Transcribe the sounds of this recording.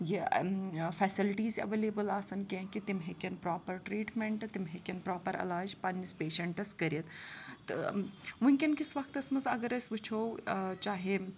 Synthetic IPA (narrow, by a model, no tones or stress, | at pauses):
je | fʰɛːsilʈiːzɐ̰ʋeːleːbəlaːsɐnkʲẽːkit̪imɦekʲɐnpɾaːpɐɾʈɾiːʈmeɳʈt̪imɦekʲɐnpɾaːpɐɾɐ̰laːd͡ʒpɐnʲːispeːʃɐɳʈɐskɐɾiɐt̪t̪ɨmunʲkʲinkisʋɐkt̪ɐsmɐzɐɡɐɾɐsʲʋɨt͡ʃʰowt͡ʃaːɦe